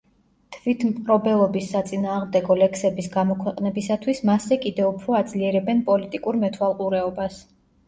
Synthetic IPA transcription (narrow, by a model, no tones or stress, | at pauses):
t̪ʰvit̪ʰmpʼɾɔbɛlˠɔbisːat̪sʼinaːʁmd̪ɛɡɔlɛksɛbisɡamɔkʰwɛqʼnɛbisat̪ʰwismasɛkʼid̪ɛupʰɾɔad̪zliɛɾɛbɛnpʼɔlit̪ʼikʼuɾmɛt̪ʰwalˠqʼuɾɛɔbas